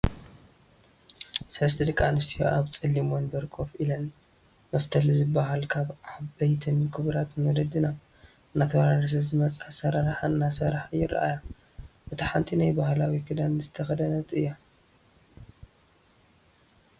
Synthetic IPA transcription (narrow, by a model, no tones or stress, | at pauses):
sɐlɐst̪ʰid̪ɨkʼːanust̪ʰijo̰ʔaβt͡sʼɨlːimonbɐɾkʰo̞filɐn | mɐft̪ʰɐlzɨbːaɦalkʰaβabɐjt̪ʰɨnkʰɨβɾat̪molɐd̪ɨna | ɨnːat̪ʰɐβaɾaɾɐs̬ɐzɨmɐt͡sʼasɐɾaɾaħanːasɐɾaħjɪɾʔa̰ja | ʔɨt̪ʰiħant̪ʰinajbahlawikʰɨd̪ɐmzɨt̪ʰɐxɐd̪ɐnɐt̪ɨjːo